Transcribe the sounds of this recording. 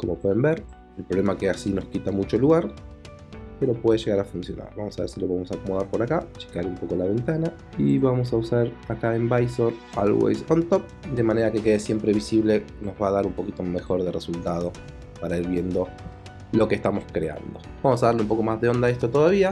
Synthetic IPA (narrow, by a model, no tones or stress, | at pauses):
ko̞mo̞pwe̞ð̞e̞mbeɾ | elpɾole̞makeasino̞skit̪amut͡ʃoluɣaɾ | pe̞ɾo̞pweðeʒe̞ɣaɾafunsjo̞na̰ɾβamo̞saβeɾsilo̞βemo̞sakomoðaɾpo̞ɾakat͡ʃe̥kaɾumpo̞ko̞laβe̞nt̪ana | iβamo̞s̬ausaɾakaembajsona̰lwḛjsont̪op̚d̪e̞maneɾake̞ke̞ðesje̞mpɾe̞β̞isiβle̞no̞zβaːðaɾumpo̞kit̪o̞mexo̞ɾðeresult̪að̞o̞ | paɾaiɾβje̞nd̪o̞ | lo̞kest̪amo̞skɾe̞a̰nd̪o̞bamosaðaɾleumpo̞ko̞mazðeo̞nd̪aest̪ot̪o̞ðaβ̞ia